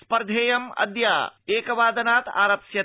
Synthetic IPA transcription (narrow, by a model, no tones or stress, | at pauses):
spɐɾd̪ʱeːjɐmɐ̰d̪jaːeːkɐʋaːd̪ɐnaːt̪a̰ːɾɐpsjɐ